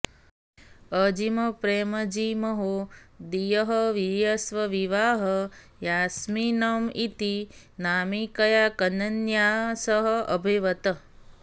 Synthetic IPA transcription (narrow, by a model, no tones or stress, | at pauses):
əd͡ʒimɐpɾeːmɐd͡ʒimɐɦod̪ijɐɦɐʋijasʋɐʋiʋaːɦɐ | jaːsminɐmit̪i | naːmikɐjaːkɐnɐnjaːsɐɦɐɐ̰bʱeːʋɐt̪ɐ